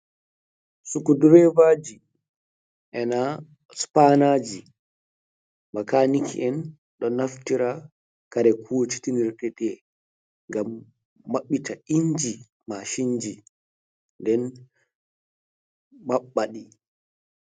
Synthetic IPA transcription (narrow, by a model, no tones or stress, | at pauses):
sukuduɾɛvad͡ʒi | ʔɛna | spanad͡ʒi | makanikʰḭʔɛn | ɗɔnaftiɾa | kaɾɛkʰuwot͡ʃi̥tiniɾtɛɗɛ | ŋɡamː | aɓːitaiɲd͡ʒi | maʃiɲd͡ʒi | ndɛn | maɓːaɗi